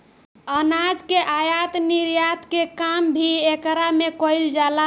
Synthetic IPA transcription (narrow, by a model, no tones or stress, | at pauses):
ənad͡ʒkeʔajat̪niɾjat̪kekambʱiekɾamekɔjld͡ʒala